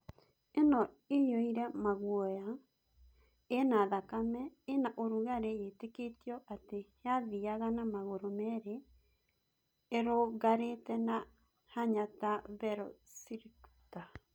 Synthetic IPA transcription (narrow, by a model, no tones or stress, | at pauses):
enɔ | ejoiɾɛmaɣwɔja | naðakamɛenaʔoɾuɣaɾejeteketiɔʔatejaðiaɣanamaɣoɾomɛɾe | ɾoɣaɾetɛna | haɲataβɛɾɔsiɾiku̥ta